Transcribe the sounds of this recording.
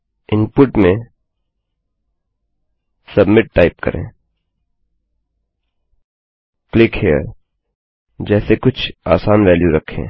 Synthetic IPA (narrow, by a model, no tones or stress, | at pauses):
ɪnpʊʈmẽ | sɐbmɪʈ̚ːaːɪp̚kɐ̰ɾʔḛ̃ː | klɪkhijə̰ɾ | d͡ʒɛːsekʊt͡ʃʰaːsaːnʋɛːljuɾɐkʰːḛ̃ː